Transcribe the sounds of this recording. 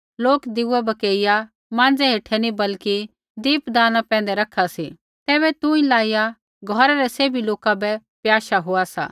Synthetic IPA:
loːkd̪ɪuɛbɐkeːɪja | mãːnd͡zɛɦeːʈʰɛnibɐlki | d̪iːpd̪aːnapɛ̃ːn̆d̪ɛɾɐkʰasi | t̪ɛːβɛt̪ʊ̃ĩlaːɪja | ɡʱɔɾaɾɛseːbʱiloːkabɛpjaːʃaɦʊasa̰ː

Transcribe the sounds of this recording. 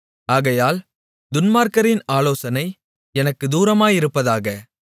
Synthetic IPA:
aːɣɐjaːl | d̪ʊnmaːɾkɐɾɪnaːloːsɐnɐɪ | ɛnɐkːɯd̪uːɾɐmaːjɪɾɯpːɐðaːɣɐ

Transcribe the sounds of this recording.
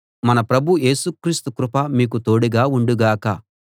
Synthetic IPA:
mɐnɐpɾɐbʱuʔe̞ːsukɾiːst̪ukɾʊpɐmiːk̬ut̪o̞ːɽiɡaːuɳɖuɡaːkɐ

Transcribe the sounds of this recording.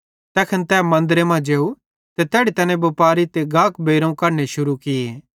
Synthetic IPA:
t̪ɛːkʰənt̪ɛːmɐ̃nd̪ɾemãd͡ʒeːu | t̪ɛt̪ɛːɽit̪ɐnẽbɐpaːɾit̪eɡãːkbeːɾõkɐɾneʃʊɾukɪeː

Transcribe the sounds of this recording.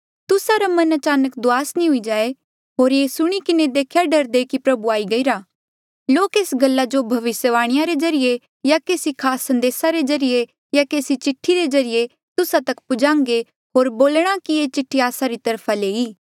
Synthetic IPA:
t̪ʊsaɾamɐnɐt͡ʃaːnəkd̪ʊaːsnĩɦʊid͡ʒaːe | ɦoːɾjeːsʊɽ̃ikɪned̪eːkʰjaɖɐɾd̪ekipɾɐbuaːiɡɐiɾaː | loːkeːsɡɐlːad͡ʒobʱɐʋɪsjəʋaːɽ̃ɪjaɾezɐɾɪje | jakeːsikʰaːsːɐ̃nd̪eːsaɾezɐɾɪje | jakeːsit͡ʃɪʈʰːiɾezɐɾɪje | t̪ʊsat̪ɐkpʊd͡ʒãːŋɡe | ɦoːɾboːlɽ̃akiet͡ʃɪʈʰːiaːsaɾit̪ɐɾpʰaleːiː

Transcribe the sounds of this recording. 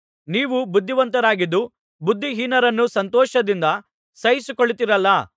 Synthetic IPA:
niːʋubud̪ʱːiʋɐnt̪ɐɾaːɡid̪ːu | bud̪ʱːiɦiːnɐɾɐnːusɐnt̪ɔːʃɐd̪ind̪ɐ | sɐjisukoɭːit̪iɾɐlːɐ

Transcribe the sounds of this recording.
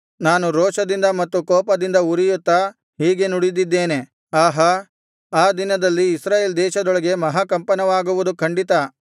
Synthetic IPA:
naːnuɾɔːʃɐd̪ind̪ɐmɐt̪ːukɔːpɐd̪ind̪ɐuɾijut̪ːɐ | ɦiːɡe̞nuɽid̪id̪ːe̞ːne̞ | aːɦɐ | aːd̪inɐd̪ɐlːiːsɾaːjeːld̪ɛːʃɐd̪ɔɭɐɡe̞mɐɦakɐmpɐnɐʋaːɡuʋud̪ukʰɐɳɖit̪ɐ

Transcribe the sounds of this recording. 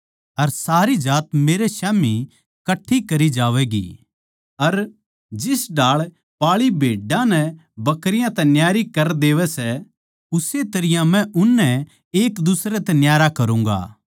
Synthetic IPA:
ɐɾsaːɾid͡ʒaːt̪meːɾeʃaːmi | kɐʈʰːikɐɾid͡ʒaːʋɛɡḭː | ɐɾ | d͡ʒɪsɖaːɭ | paːɭibʱeːɖãnɛbɐkɾɪjãt̪ɛnjaːɾikɐɾd̪eːʋɛsɛ | ʊset̪ɐɾɪjãmɛ̃ʔʊnːɛ | eːkd̪ʊsɾɛt̪ɛnjaːɾakɐɾũːŋ̆ɡa̰ː

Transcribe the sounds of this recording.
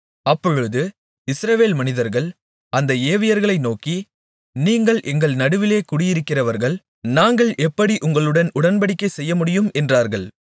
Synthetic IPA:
ɐpːɔɻɯðɯ | ɪsɾɐʋeːlmɐnɪðɐɾɣɐɭ | ɐnd̪ɐeːʋɪjɐɾɣɐɭɐɪnoːki | niːŋɡɐɭʔɛŋɡɐɭnɐɽɯʋɪleːkʊɽɪjɪɾɯkːɪrɐʋɐɾɣɐɭ | naːŋɡɐɭʔɛpːɐɽiʔʊŋɡɐɭɯɽɐnʊɽɐnbɐɽɪkːɐɪsɛjːɐmʊɽɪjɯmɛndraːɾɣɐɭ

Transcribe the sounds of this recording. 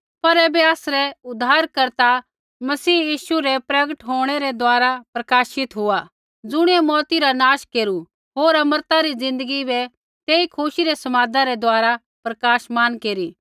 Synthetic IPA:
pɐɾɛːbɛaːsɾɛʊd̪ʱaːɾkɐɾt̪a | mɐsiːjiːʃuɾɛpɾɐɡəʈɦoːɽ̃ɛɾɛd̪oaːɾapɾɐkaːʃɪt̪ɦʊa | d͡zʊɽ̃iɛmɔːt̪iɾanaːʃkeːɾu | ɦoːɾɐməɾt̪aɾid͡zɪ̃nd̪əɡibɛ | t̪eːikʰʊʃiɾɛsɐmaːd̪aɾɛd̪oaːɾa | pɾɐkaːʃmaːnkeːɾiː

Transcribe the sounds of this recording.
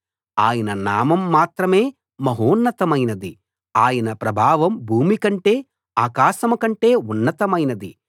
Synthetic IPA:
aːjɐnɐnaːmɐmːaːt̪ɾɐme̞ː | mɐɦoːnːɐt̪ɐmɐjnɐd̪i | aːjɐnɐpɾɐbʱaːʋɐmbʱuːmikɐɳʈe̞ː | aːkaːʃɐmɐkɐɳʈe̞ːunːɐt̪ɐmɐjnɐd̪i

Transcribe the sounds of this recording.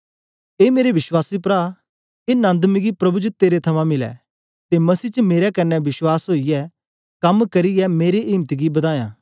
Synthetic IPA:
eːmeːɾeʋɪʃwaːsip̬ɾa | eːnãːnd̪miɡipɾɐbut͡ʃət̪eːɾet̪ʰɐmãmɪlɛ̰ | t̪emɐsiːt͡ʃəmeːɾɛkɐnːɛbɪswaːsɦoːijɛ | kɐmkɐɾijɛmeːɾeʔɪːmt̪iɡibɐd̪aːjã̰ː

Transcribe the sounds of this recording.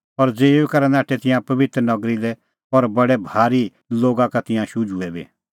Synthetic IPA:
pɐɾd͡zeːukaɾɛnãːʈʰɛt̪ɪ̃jãpɐbɪt̪ɾənɐɡɾilɛ | ɔɾbɐɽɛbʱaːɾi | loːɡakat̪ɪ̃jãʃʊd͡ʒuɛbḭ

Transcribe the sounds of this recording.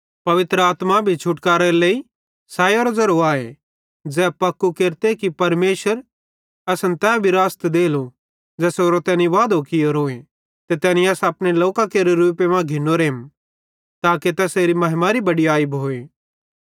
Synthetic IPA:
pɐʋɪt̪ɾəaːt̪mabʱit͡ʃʰʊʈkaːɾɛɾelei | saːjoːɾɐzɐɾoaːe | d͡ʒɛːpɐkːukeːɾt̪ekipɐɾmeːʃəɾ | ɐsnt̪ɛːbʱiɾaːst̪d̪eːlo | d͡zɛːsoːɾot̪ɛːniʋaːd̪ʱokioɾɦoːe | t̪et̪ɛːniɐsɐpɽ̃eloːkakeɾeɾuːpemãɡʱɪnoɾeːm | t̪aːket̪ɛːseːɾimɐɦɪmaɾibɐɽiaːɪboːeː

